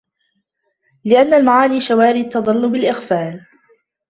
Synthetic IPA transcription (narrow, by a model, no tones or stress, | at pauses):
lɪʔanːalmaʕaːniːʃawaːɾiːt̪ːɑd̪ˤɑlːʊbɪlʔɪxfaːl